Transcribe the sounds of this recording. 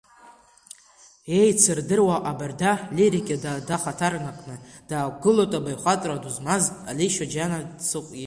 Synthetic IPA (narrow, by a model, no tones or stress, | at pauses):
e̞jt͡sʰɨrdɨrwaʔabardaliɾikʲʼadadaχatʰarnakʼnɨd̥aːɡɨlotʼabajχʷatʼraduzmazʼaliʃad͡ʒanat͡sʰɨqʷʼi